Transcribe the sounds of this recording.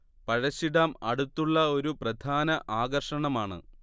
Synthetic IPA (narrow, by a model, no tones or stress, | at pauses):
pɐɻɐɕːiɽaːmɐɽut̪ːuɭːɐo̞ɾuprɐd̪ʱaːnɐʔaːɣɐrʂɐɳɐmaːɳɨ̰